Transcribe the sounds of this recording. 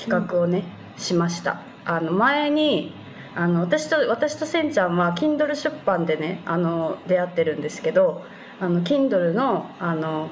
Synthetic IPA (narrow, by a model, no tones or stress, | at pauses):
kʲi̥kakɯ̟o̞ne̞ | ɕimaɕi̥t̪a̰ | ano̞mae̞ɲ̟i | ano̞β̞at̪aɕi̥t̪oβat̪aɕi̥t̪o̞sẽ̞ɲt͡ɕãɰ̃βak̬ʲĩnd̪o̞ɾɯ̟ɕɨpːãnd̪e̞ne̞ano̞d̪e̞at̪ːe̞ɾɯ̟̃nd̪e̞sɨ̥ke̞d̪o̞ | ano̞kʲĩnd̪o̞ɾɯ̟no̞ano̞